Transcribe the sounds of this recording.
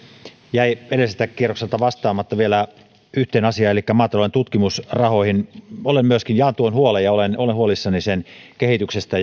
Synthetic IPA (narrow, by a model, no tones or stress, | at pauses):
jæiʋelesest̪ækkːierokselt̪ɑʋɑst̪ɑːmːɑt̪ːɑʋielæ | yht̪eːnɑsiɑelikːæmɑːt̪ɑloent̪ut̪kimusrɑhohinolemmyøskinjɑːnt̪uonhuolejɑolenolenhuolisːɑnisenkehit̪yksest̪æ